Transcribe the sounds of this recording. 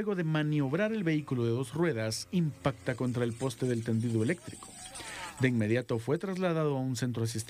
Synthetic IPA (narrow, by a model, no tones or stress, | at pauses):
eɣo̞ðe̞manjo̞βɾaɾe̞lβe̞ikuloðe̞ðo̞srwe̞ðasimpakt̪ako̞nt̪ɾae̞lpo̞st̪e̞ðe̞lt̪e̞nd̪iðoe̞le̞k̚t̪ɾiko̥d̪e̞inme̞ðjat̪o̞fwe̞t̪ɾazlaðaðo̞aunsent̪̬ɾoas̬ist̪